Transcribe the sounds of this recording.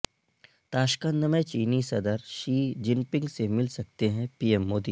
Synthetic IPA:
t̪aːʃkə̃nd̪əmẽt͡ʃiːnisɐd̪əɾʃiːd͡ʒɪ̃mpɪ̃ŋɡsemɪlsɐk̚t̪eɦɛ̃piːɛmːoːd̪iː

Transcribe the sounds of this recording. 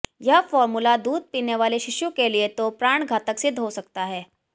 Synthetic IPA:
jɐɦfɔːɾmulad̪uːd̪̚piːneʋaːleʃɪʃjũkeliet̪opɾaːɳ̃ɡʱaːt̪əksɪd̪ʱɦosɐk̚t̪aɦɛː

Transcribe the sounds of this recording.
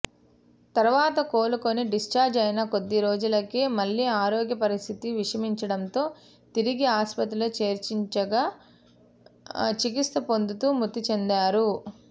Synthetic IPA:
t̪ɐɾuʋaːt̪ɐkoːlukoniɖist͡ʃaːɾd͡ʒɐjnɐko̞d̪ːiɾoːd͡ʒulɐkeːmɐɭːiːaːɾoːɡjɐpɐɾist̪ʰit̪iʋiʂɐmiɲt͡ʃɐɽɐnt̪o̞ː | t̪iɾiɡiaːspɐt̪ɾilɐt͡ʃe̞ːɾt͡ʃiɲt͡ʃɐɡaː | t͡ʃik̬ist̪ɐpo̞nd̪ut̪uːmut̪ːit͡ʃe̞nd̪aːɾu

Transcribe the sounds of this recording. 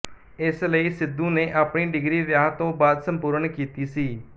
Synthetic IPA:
ɪsləiːsɪd̪ːũːneːʔaːpɳiːɖɪɡɾiːʋjaːɦt̪õːbaːd̪sə̃mpuːɾɳkiːt̪iːsiː

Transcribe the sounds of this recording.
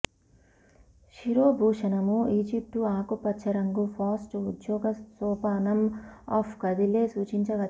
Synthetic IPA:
ʃiɾoːbʱuːʂɐnɐmuiːd͡ʒip̚ʈuaːkupːɐtːt͡ʃʰɐɾɐŋɡupʰaːsʈuud̪jɔːɡɐsɔːpaːnɐmɔːpʰkɐd̪ileːsuːt͡ʃiɲt͡ʃɐɡɐ

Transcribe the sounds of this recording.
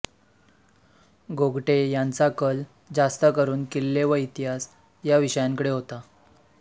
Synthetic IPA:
ɡoɡʈejant͡sakəl | d͡zast̪əkəɾuːnkilːeʋəit̪iɦas | jaʋiɕəjaŋkəɽeɦot̪a

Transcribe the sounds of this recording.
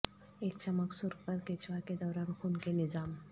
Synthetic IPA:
eːkt͡ʃɐməksʊɾɡpəɾkeːt͡ʃwaked̪ɔːɾaːnxunkenɪzaːm

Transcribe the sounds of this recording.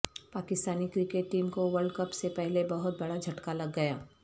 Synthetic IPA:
paːkɪst̪aːnikɾɪkeʈːiːmkoʋɐɾɖkɐpsepɛɦlebɐɦʊt̪̚bɐɽad͡ʒʱɐʈkalɐɡːɐjaː

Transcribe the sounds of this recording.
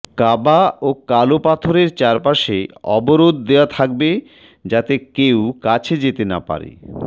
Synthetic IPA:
kabaokalopat̪ʰoɾeɾt͡ɕaɾpaʃeɔboɾod̪ːewat̪ʰak̚be | d͡ʑat̪ekewkat͡ɕʰed͡ʑet̪ena̰pa̰ɾḛ

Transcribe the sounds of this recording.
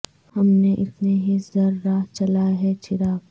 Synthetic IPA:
hɐmneʔɪt̪neɦizɐɾːaːt͡ʃɐlaɦɛt͡ʃɪɾaːb

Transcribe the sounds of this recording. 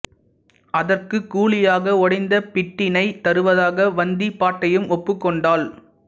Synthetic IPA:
ɐðɐrkɯkːuːɭɪjaːɣɐɔɽɐɪnd̪ɐpɪʈːɪnɐɪt̪ɐɾɯʋɐðaːɣɐʋɐnd̪ipːaːʈːɐjɯmɔpːɯkːɔɳɖaːl

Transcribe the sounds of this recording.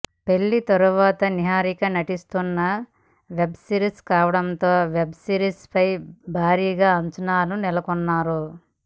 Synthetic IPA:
pe̞ɭːit̪ɐɾuʋaːt̪ɐniɦaːɾikɐnɐʈist̪unːɐ | ʋe̞bsiːɾiskaːʋɐɽɐnt̪o̞ːʋebsiːɾispɐjbʱaːɾiːɡaːɐnt͡ʃɐnaːlunilɐkɔnːaːɾu

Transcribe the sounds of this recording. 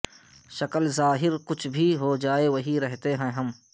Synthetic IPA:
ʃɐkəlzaːɦɪɾkʊt͡ʃʰbʱiɦod͡ʒaːeʋɐɦiɾɛɦt̪eɦɛ̃ɦɐm

